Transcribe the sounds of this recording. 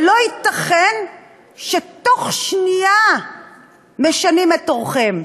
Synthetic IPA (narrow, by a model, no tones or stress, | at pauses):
lo̞it̪aχen | ʃet̪o̞χʃnia | me̞ʃanimetoʁχem